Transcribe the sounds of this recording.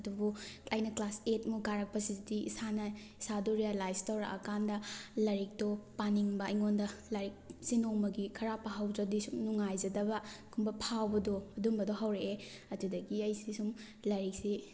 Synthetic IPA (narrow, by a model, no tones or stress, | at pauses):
ɐdubuɐjnɐklasetmuɡaɾɐk̚pɐsizidiḭsanɐ | isaduɾijalajstawɾɐ̰ʔɐ̰kandɐlɐɾik̚topaniŋbɐːjŋondɐlɐɾik̚sinoŋmɐɡikʰɐɾapːaɦawd͡ʒɐdisumnuŋajzɐdɐbɐkʰumbɐpʰawbɐdoɐdumbɐdoɦawɾeeɐdudɐɡiɐjsisum | lɐɾik̚si